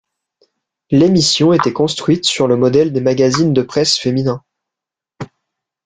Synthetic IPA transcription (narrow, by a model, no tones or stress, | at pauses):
lemisjɔ̃et̪ɛkɔ̃st̪χɥit̪syʁləmɔd̪ɛld̪emaɡazind̪əpχɛsfeminɛ̃